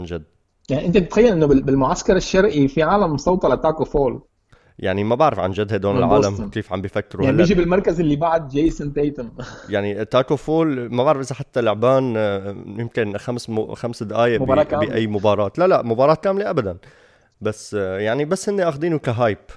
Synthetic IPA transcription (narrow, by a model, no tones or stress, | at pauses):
ʕand͡ʒad̪ː | jaʕniʔɪnt̪it̪ɪt̪xajːalʔɪnːʊbbɪlmʊʕaskɑɾˤɪʃːɑɾˤʔifiʕaːlamːsˤɑwt̪ˤɑlat̪ːaːkofoːl | ja̰ʕnimabaʕɾɪfʕa̰nʒad̪hajd̪oːnɪlʕa̰ːlamkeːfʕa̰mbifakːɪɾualːʒibɪlmɑɾˤkazɪlːibaʕd̪̚d͡ʒejːsɪnt̪eːt̪ʊnjaʕnit̪ːaːkofoːlmabaʕɾɪfʔɪzaħat̪ːalʊʕbaːnjɪmkɪnxamsxamsd̪ʔaːjamɑˤɑbiʔajːmʊbɑːɾˤɑːt̪lalaʔmʊbɑːɾˤɑːt̪̚kaːmleʔabad̪an | basːjaʕnibasːhɪnːeʔaxd̪iːnukaɦaːjp